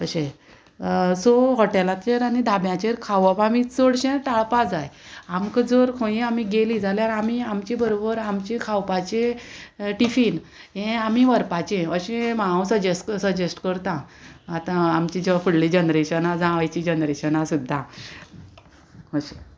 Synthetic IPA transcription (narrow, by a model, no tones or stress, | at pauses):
əɕe | soɦɔʈelat̪t͡ɕeɾanid̪ʱabjãt͡ɕeɾkʰaʋɔpamit͡soɽɕẽʈaɭpad͡zajamkəd͡zoɾkʰõjiamiɡelid͡zʱaljaɾamiamt͡ɕĩbəɾobəɾamt͡ɕẽkʰawpat͡ɕẽ | ʈifiːn | ɦẽamiʋəɾpat͡ɕẽəɕẽmaãsəd͡ʑesʈksəd͡ʑesʈkəɾt̪ãat̪ãamt͡ɕid͡ʑfuɽlid͡ʑənɾeɕənad͡zãʋajt͡ɕiːd͡ʑənɾeɕənasud̪ʱːã | ɦəɕe